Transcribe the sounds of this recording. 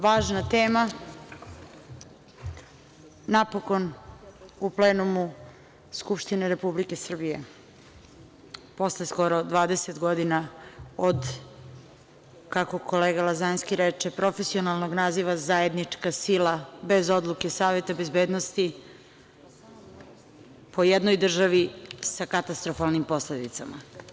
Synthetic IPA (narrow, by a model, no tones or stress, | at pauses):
ʋaːʒnat̪eːma | napo̞ko̞n | upleːnumu | skupʃt̪ineɾepublike̞sr̩bijḛ | po̞slesko̞ɾod̪ʋaːd̪eset̪ɡo̞d̪inaod̪ | kako̞kʰo̞leːɡalazanskiɾet͡ʂepɾo̞fesio̞nalˠnoɡnaːziʋazae̞d̪nit͡ʂkasilabe̞zo̞d̪lˠuke̞saːʋet̪abezbeːd̪nost̪i | pʰo̞jed̪nojd̪r̩ʒaʋisakat̪ast̪ɾofalˠnimpo̞sled̪it̪sa̰ma̰